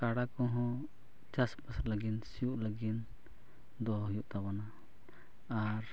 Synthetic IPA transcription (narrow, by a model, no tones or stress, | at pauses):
kaɽakɔ̃ɦɔ̃ | t͡ʃaspasɾləɡinsijuʔləɡin | d̪ɔɦujuʔt̪abanaː | ɾ